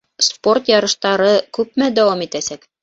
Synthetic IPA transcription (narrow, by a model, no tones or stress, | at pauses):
sport̪jɑɾɤ̆ʃt̪ɑɾɤkʉp̚mæd̪æwɑmit̪æsæk